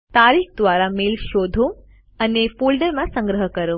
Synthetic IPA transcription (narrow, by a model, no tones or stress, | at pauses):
t̪aːɾiːxd̪ʋaːɾameːlʃoːd̪ʱo | ɐnefuːlɖəɾmãsɐ̃ŋɡɾəɦəkɐɾo